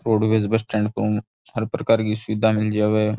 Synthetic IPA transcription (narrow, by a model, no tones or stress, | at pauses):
ɾoːɖʋeːzbəsʈɛ̃ːɳɖko | ɦəɾpɾəkaːɾkisʊʋɪd̪ʱamɪld͡ʒaːʋeː